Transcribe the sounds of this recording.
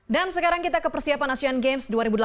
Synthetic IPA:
dansəkaɾaŋkit̪akəpərsiapanasianɡemsduaɾibudəl

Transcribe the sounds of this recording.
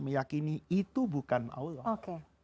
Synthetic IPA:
məjakiniit̪ubukana̰ulɔokke

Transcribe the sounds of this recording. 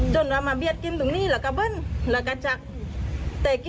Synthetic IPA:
d͡ʒɔnwamabiat̪̚kint̪uŋnilakabənlakat͡ʃak̚ | t̪ak

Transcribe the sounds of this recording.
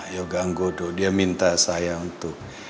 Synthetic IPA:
joɡaŋɡododiamint̪asajaunt̪ʊk̚

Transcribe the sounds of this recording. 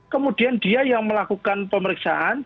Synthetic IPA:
kəmud̥i̤and̪̥iajaŋməlakukanpəməɾiksa̰ʔan

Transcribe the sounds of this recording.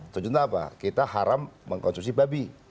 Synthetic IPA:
t̪ud͡ʒut̪apa̰kit̪aɦaɾamːəŋkɔnst̪ɾusibabi

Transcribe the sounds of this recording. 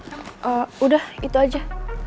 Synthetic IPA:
ʔəudahit̪uad͡ʒa

